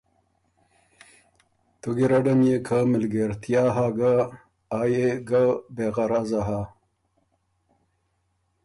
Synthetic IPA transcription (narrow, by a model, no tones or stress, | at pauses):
t̪uɡiɾaɖɐmjekʰamɪlɡeɾt̪ʰijaːɦaɡa | aːjeɡabeɣaɾazaɦa